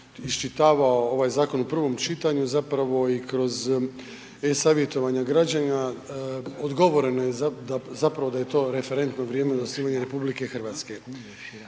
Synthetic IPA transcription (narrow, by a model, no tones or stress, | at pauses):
ist͡ʃit̪aːʋaoo̞ʋajzaːko̞nupr̩ʋo̞mt͡ʃit̪aɲuzapɾaʋo̞ikɾo̞z | esaʋije̞t̪o̞ʋaɲaɡɾad͡ʑaɲa | od̪ɡo̞ʋo̞ɾe̞nojezad̪azapɾaʋod̪aje̞t̪o̞ːɾe̞fe̞ɾe̞nt̪noʋɾijeːmed̪osniːmaɲeɾe̞publike̞xrʋaːt̪ske̞